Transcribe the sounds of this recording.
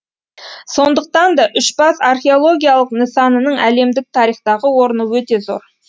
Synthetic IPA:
so̞nd̪əq̚t̪ɑnd̪ɑʔʏʃbɑsarχʲe̞o̞lˠo̞ɡʲijalˠəqnəsɑnənəɴæle̞md̪ɪk̚t̪ʰɑɾijχt̪ɑʁəwo̞ɾənəwɵt̪e̞zo̞̰ɾ

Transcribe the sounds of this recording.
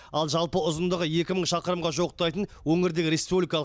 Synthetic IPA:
ɑlˠʒɑlˠpəʊzənd̪əʁəje̞kʲɪməɴʃɑqəɾəmʁɑʒoəq̚t̪ɑjt̪ən | wɵŋɪɾd̪e̞ɡʲɪɾʲespublijkɑlˠ

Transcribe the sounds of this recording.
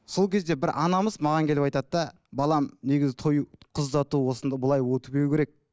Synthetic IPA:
so̞lˠkʲʰe̞zd̪e̞bɪɾʔɑnɑməzmɑʁɑŋkʲʰelɪpɑjt̪ɑd̪d̪ɑ | bɑlˠɑmne̞ɡʲɪzɪt̪ʰo̞jqʰʊzd̪ɑt̪uwo̞sənd̪ɑbʊlˠɑjwot̪əbe̞wkʲʰe̞ɾek̚

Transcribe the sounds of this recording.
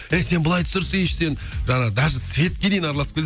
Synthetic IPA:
ejse̞nbəlˠɑjt̪ʰə̥səɾsəeʃse̞n | ʒɑɴɑʁəd̪ɑʒəsvʲe̞t̪̚kʲe̞d̪e̞jɪnɑɾɑlˠɑsəpkʲe

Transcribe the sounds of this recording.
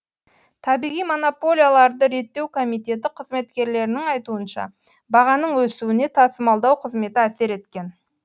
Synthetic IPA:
t̪ʰɑbijʁijmo̞no̞po̞lʲijalˠɑɾd̪əɾe̞t̪ːe̞wkʰo̞mijt̪ʲe̞t̪ɪqʰəzme̞t̪kʲe̞ɾle̞ɾɪnɪŋɑjt̪uənʃɑ̰ | bɑʁɑnəɴwɵsuwɪne̞t̪ʰɑsəmɑlˠd̪ɑwqʰəzme̞t̪ɪæse̞ɾe̞t̪kʲe̞n

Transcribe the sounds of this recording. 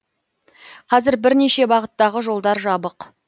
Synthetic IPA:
qʰɑzɪɾbɪɾne̞ʃe̞bɑʁət̪ːɑʁəʒo̞lˠd̪ɑɾʒɑbəq

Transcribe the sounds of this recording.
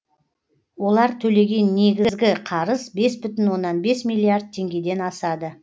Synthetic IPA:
wo̞lˠɑɾt̪ʰɵle̞ɡʲe̞nːe̞ɡʲɪzɡʲɪqʰɑɾəzbe̞sbʏt̪ɪnwo̞nːɑnbe̞smijlʲˠiard̪̚t̪ʰːe̞ŋɡʲe̞d̪e̞nɑsɑd̪ə

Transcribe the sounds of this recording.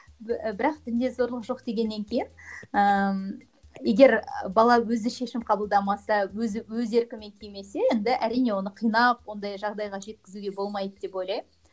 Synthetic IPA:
bɪɾɑq̚t̪ɪnd̪e̞zo̞ɾlˠəqʒo̞qd̪e̞ɡʲe̞nːe̞ŋkʲʰejɪnə | je̞ɡʲe̞ɾbɑlˠɑwɵzɪʃe̞ʃɪmqʰɑbəlˠd̪ɑmɑsɑwɵzɪwɵze̞ɾkʲɪme̞ŋkʲʰejme̞se̞jend̪ɪʔæɾijne̞wo̞nəqʰijnɑp̚wo̞nd̪ɑjʒɑʁd̪ɑjʁɑʒe̞t̪̚kʲɪzuɡʲe̞bo̞lˠmɑjd̪əd̪e̞po̞jlɑjm

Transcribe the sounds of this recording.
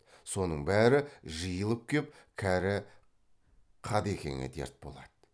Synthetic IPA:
so̞nəɴbæɾɪʒəjəlˠəp̚kʲʰe̞p̚kʲʰæɾɪ | qʰɑd̪ekʲʰe̞̰ŋʲḛd̪ḛɾt̪̚bo̞̰lˠɑd̪̥ə

